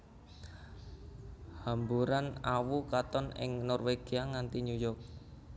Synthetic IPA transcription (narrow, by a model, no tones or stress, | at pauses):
hambuɾanawukat̪ɔnɪ̰ŋnɔrweɡ̥iaŋant̪iɲujɔk̚